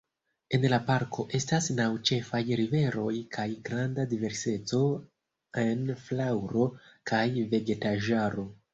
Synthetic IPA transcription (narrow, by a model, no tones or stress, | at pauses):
e̞nlapaɾkʰo̞ʔe̞stasnawt͡ʃe̞fajɾive̞ɾo̞jkʰajɡɾandadive̞ɾse̞t͡so̞ | enflawɾo̞kʰajve̞ɡe̞taʒaɾo̞